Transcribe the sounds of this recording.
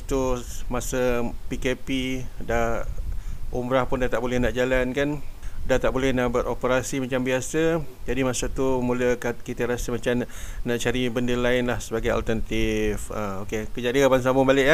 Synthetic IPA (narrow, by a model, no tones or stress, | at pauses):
t̪umasəpikepida | ʔumbɾahpʊndat̪aʔbolɛhnaʔd͡ʒalankandat̪aʔbolɛhnaʔbəɾʔopəɾasimat͡ʃambiasəd͡ʒadimasat̪umũləkakit̪əɾasəmat͡ʃamnaʔt͡ʃaɾibəndəlaɪnlahsəbaɡaja̰lt̪ərnat̪ifəokekəd͡ʒadikapans̬amʊbalɪʔa